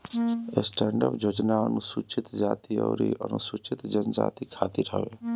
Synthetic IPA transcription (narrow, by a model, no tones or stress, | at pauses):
esʈɛːɳɖəpd͡ʒoːd͡ʒnaənusut͡ʃʰit̪d͡ʒaːt̪iə̰ʊɾḭʔənusut͡ʃit̪d͡ʒənd͡ʒa̰ːt̪ikʰaːt̪iɾɦə̰we